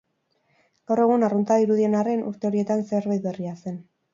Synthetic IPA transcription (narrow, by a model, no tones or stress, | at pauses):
ɡawre̞ɣ̞unarunt̪aðiɾuðie̞nare̞nʔṵɾt̪e̞o̞ɾie̞t̪anse̞ɾβajt̪̚βe̞riase̞n